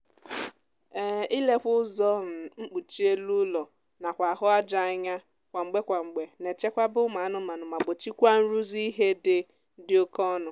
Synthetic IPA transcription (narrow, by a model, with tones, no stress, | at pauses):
e˨i˦le˦kʷʊ˦zɔ˦m̩˨ŋ͡m̩˦k͡pu˨t͡ʃi˦e˦lu˦lɔ˨ | na˨kʷa˨ɦʊ˦a˦d͡ʒa˨a˦ɲa˦ | kʷa˨ŋ͡m̩˨ɡ͡be˦kʷa˨ŋ͡m̩˨ɡ͡be˨ne˨t͡ʃe˦kʷa˦bʊ˦ma˨˦nʊ˨˦ma˨nʊ˨ma˨ɡ͡bo˨t͡ʃi˦kʷa˦n̩˦ɾu˦zi˦ɦe˦dɪ˨ | dɪ˦o˦kɔ˦nʊ˨